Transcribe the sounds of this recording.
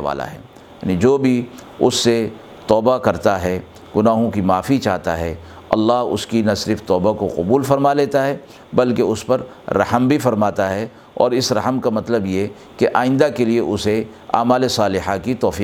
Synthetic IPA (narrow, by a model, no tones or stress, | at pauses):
a̰ːla̰ɦɛ̰ː | ja̰ːnid͡ʒoːbʱiʊsːe | t̪ɔːbakɐɾt̪aɦɛ | ɡ̥ʊnaːɦõkimaːfit͡ʃaːɦt̪a̰ɦɛ | ɐ̰lːaːɦʊ̰skinasɪɾɪft̪ɔːbakoqʊbuːlfɐɾmaleːt̪aɦɛ | bɐlkeʊspɐɾ | ɾɐ̰həmbʱifɐɾmaːt̪aɦɛ | ɔ̰ːɾɪsɾɐɦəmkamɐt̪ləbje | keʔa̰ːɪ̃nd̪akelieʔʊse | a̰ːmaːlesaːlɪɦakit̪ɔːfiː